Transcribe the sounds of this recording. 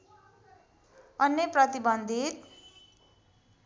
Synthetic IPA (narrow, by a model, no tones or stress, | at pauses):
ʌnːjʌprʌt̪ibʌnd̪ʱit̪